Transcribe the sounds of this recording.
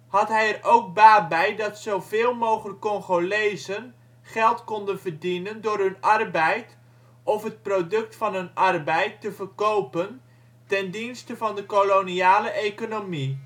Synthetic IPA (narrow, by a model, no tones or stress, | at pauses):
ɦɑtɦɛjɛrowɡ̚baːbɛjdɑtsowvɪːlˠmowχələkːɔŋχolejzən | χɛlˠtkɔndənvərdinəndʊːrɦɵnɑrbɛjt | ɔfɦət̚prodɵk̚tfɑnɦɵnɑrbɛjtːəvəɹkowpən | tɛndinstəvɑndəkoloniaːləʔejkonomi